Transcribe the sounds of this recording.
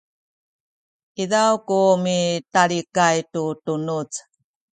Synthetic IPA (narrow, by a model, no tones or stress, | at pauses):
iðawkumitaɭikajtutunut͡s